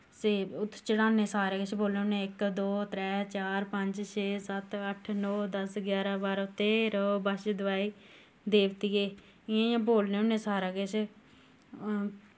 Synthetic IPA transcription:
seːʊt̪ʰːt͡ʃəɽaːneːsaːɾaːɡet͡ʃboːlneːʊnẽɪkd̪oːt̪ɾɛːt͡ʃaːɾpəɲd͡ʒʃeːsət̪əʈʰnɔːd̪əsɡjaːɾãːbaːɾot̪ːeːɾoːbəʃd̪əʋaːiː | d̪eːʋt̪iːɡeː | ɪãːjãːboːlnẽːʊnːẽːsaːɾaːɡet͡ʃ

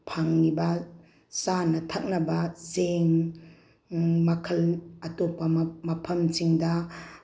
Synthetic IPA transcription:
pʰaŋnibɐ | sanɐtʰak̚nɐbɐzeŋ | mɐkʰɐlɐtopːɐmɐpʰɐmt͡ʃiŋdɐ

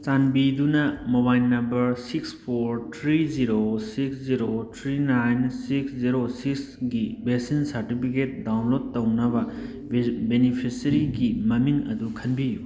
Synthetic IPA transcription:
t͡ʃanbid̪unɐmobajlnːɐmbɐɾsikspʰoɾtʰɾiziɾosiksziɾotʰɾinajnsiksziɾosiksɡibesinsɐɾʈipʰiket̚dawnlod̚tɐwnɐbɐ | benipʰisɐɾiɡimɐmiŋɐ̰d̪ukʰɐnbiju

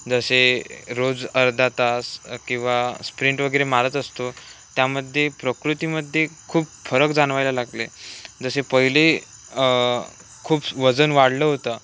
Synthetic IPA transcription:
d͡zəseɾod͡zəɾd̪ʱat̪askĩw̃ʋaspɾiɳʈʋəɡəjɾemaɾət̪əst̪ot̪jaməd̪ʱːjepɾəkɾut̪iməd̪ʱːjekʰuːpfəɾəkd͡zanʋajlalaɡled͡zəsepəɦile | kʰuːpʋəd͡zənʋaɽləɦot̪ə

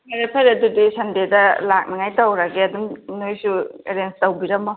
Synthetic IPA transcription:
maɾepʰajɾɐdudisɐndedɐlak̚nɐŋajtɐwɾaɡeɐdumnojsueɾenstɐwbiɾɐmɔ

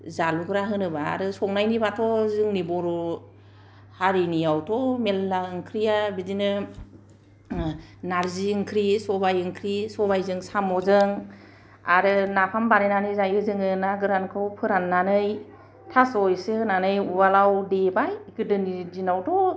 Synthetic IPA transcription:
zaluɡɯɾaɦɯnɯba̰ːɾɯsɔŋnajnibatʰɔzɯŋnibɔɾɔ | haɾinijawtʰɔmelːaɯŋkʰɾijabidinɯ | naɾziɯŋkʰɾisɔbajɯŋkʰɾisɔbajzɯŋsamɔzɯŋ | a̰ɾɯnapʰambanɯnanɯjzajɯzɯŋɯnaɡɯɾankʰɯwpʰɯɾanːanɯj | tʰasɔjsɯɯnanɯjubalawdebajɡɯdɯnidinawtʰɔ

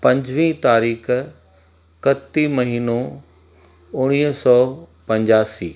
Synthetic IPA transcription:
pɐ̃ɲd͡ʑʋĩːt̪aːɾiːx | kɐt̪imɐɦiːno | ʊɽ̃iːɦsɔːpɐ̃ɲd͡ʑaːsḭː

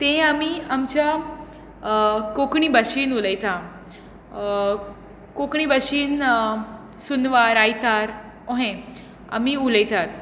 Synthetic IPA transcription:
t̪ẽamiamt͡ɕja | kokɳ̃iːbəɕiːnuləjt̪a | kokɳiːbəɕiːn | sunʋaɾajt̪aɾ | ɔɦẽ | a̰miːuləjt̪at̪

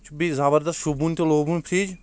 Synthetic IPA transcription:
t͡ʃbizaːbəɾd̪ɐst̪ʃubuːnt̪eloːbunpʰɾiːd͡ʒ

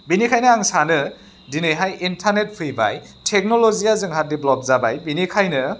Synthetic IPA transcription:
binikʰajnɯaŋsanɯ | dinɯjɦajintʰaɾnet̚pʰɯjba̰jtʰek̚nɔlɔzijazɯŋɦat̚diblɔp̚zabajbinikʰajnɯ

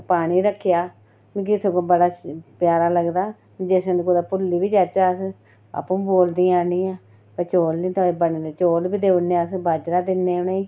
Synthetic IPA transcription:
paːɽ̃iːɾəkʰːɪjaː | ũkisoɡõːbəɽaːpjaːɾaːləɡd̪aː | d͡ʒesẽnd̪ikod̪aːpʊlːiːbiːd͡ʒat͡ʃaːs | a̰pːũːboːld̪iːãːnĩːãː | pət͡ʃoːlnĩːt̪ʰãːebəniːd̪et͡ʃoːlbiːd̪eːənːeːaːsbaːd͡ʒɾaːd̪ɪnːeːʊneiː

